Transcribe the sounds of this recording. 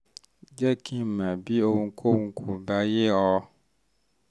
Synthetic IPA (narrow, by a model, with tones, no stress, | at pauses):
d͡ʒɛ˦kʰĩ˦mɛ̃˨bi˦o˦ŋũ˦kʰo˦wũ˦kʰu˨ba˦je˦ɔ˦